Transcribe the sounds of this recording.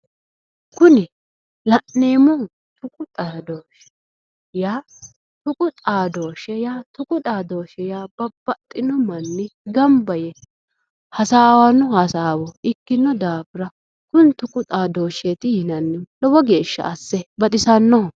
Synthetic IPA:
kʊnɪ | lɐʔneːmɔ | t̪ʊkʼʊt̪ʼaːd̪oːʃɛ̥ | jaː | t̪ʊkʼʊt̪ʼaːd̪oːʃɛjaːt̪ʊkʼʊt̪ʼaːd̪oːʃɛjaːb̥ɐb̥ːɐt̪ʼːɪnɔmɐnːɪɡɐmbɐjɛ | hɐsaːwɐnːɔhɐsaːwɔɪkːɪnːɔd̪aːpɪɾɐ | kʊnt̪ʊkʼʊt̪ʼaːd̪o̞ːʃet̪ɪhɪnɐnːɪlɔwɔɡe̞ːʃːɐ̰ɐsːɛbɐt̪ʼɪsɐnːɔɔ

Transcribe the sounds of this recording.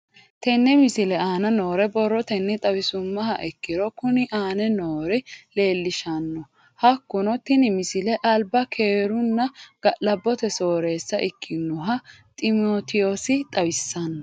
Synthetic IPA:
t̪ɛnːɛmɪsɪlɛaːnɐnoːɾɛbɔrːɔt̪ɛnːɪt̪ʼɐwɪsʊmːɐɦɐʔɛkːɪɾɔkʊnɪʔaːnɛnoːɾɛle̞ːlːɪʃɐnːɔ | hɐkːʊnɔt̪ɪnɪmɪsɪlɛʔɐlbɐkʰeːɾʊnːɐɡ̥ɐlɐbːɔt̪ɛso̞ːɾe̞ːsːɐʔɪkʰːɪnʊɦɐ | t̪ʼɪmoːt̪ɪjosɪt̪ʼɐwɪsːɐnːɔ

